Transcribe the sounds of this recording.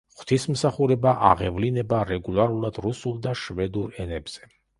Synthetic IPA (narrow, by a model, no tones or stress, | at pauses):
χt̪ʰismsaχuɾɛbaʔa̰ʁɛvlinɛbaɾɛɡulˠaɾulˠad̪ɾusulˠd̪aʃvɛd̪uɾɛnɛbz̥ɛ